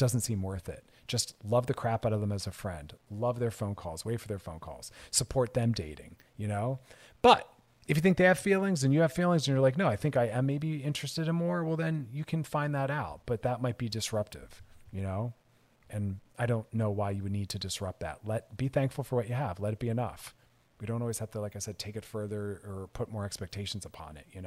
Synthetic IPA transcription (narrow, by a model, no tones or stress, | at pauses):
d̥ʌzn̩tsĩmwɜ˞θɪ̰t̚d̥ʒ̥ʌstlʌvðɨkʰɹ̥æpaɾʌvðə̃mɨzɨfɹɛ̰̃ndlʌvðə˞fõʊ̃nkʰɔ̰lˠz̥weɪtfə˞ðə˞fõʊ̃nkʰɔ̰lˠz̥səpʰɔɹt̪̚ðɨ̃mdeɪɾɪ̰̃ŋ | jɨnoʊ | b̥ʌɾ | ɨfjɨθɪ̃ŋk̚ðeɪɨv̥filˠɪ̃ŋzɨ̃njɨːv̥filˠɪ̃ŋzɨ̃n̩jə˞laɪknoʊaɪθɪ̃ŋkaɪɨ̃meɪbiɪ̃nt͡ʃɹ̥ɨstɨɾɨ̃nmɔɹwɛlˠðɨ̃njɨkʰɨ̃nfãɪ̃nðəɾaʊt̚b̥ʌt̪̚ðət̚maɪt̚b̥idɨsɹʌp̚tɪ̰v̥jɨnoʊ | ɨ̃naɪɾõʊ̃nːoʊwaɪjɨwɨdⁿnid̚tʰɨdɨsɹʌp̚t̪̚ðæ̰t̚lɛt̚b̥iθæ̃ŋkfl̩ˠfə˞wʌt͡ʃɨəvlɛɾɨt̚b̥iɨnʌ̰f | wiɾõʊ̃ntɔlˠwiz̥hæftɨlaɪkaɪsɛd̚tʰeɪkɨtfɜ˞ðə˞ə˞pʰʊt̚mɔɹɛkspɛk̚tʰeɪʃn̩zəpʰɑ̰̃nɪ̰t̚jɨnoʊ